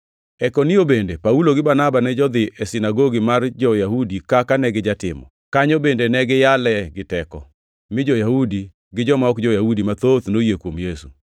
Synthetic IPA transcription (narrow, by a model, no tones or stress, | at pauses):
ɛkoniobendepauloɡɪbanabanɛd͡ʒɔd̪ɪʔɛsɪnaɡoɡimard͡ʒɔjahudikakanɛɡɪd͡ʒatɪ̰mɔ̰ | kaɲɔbendenɛɡɪjalɛɡɪtɛkɔ̰ | mɪd͡ʒɔjahudi | ɡɪd͡ʒɔmaɔkd͡ʒɔjahudimat̪ot̪nojekwomjesu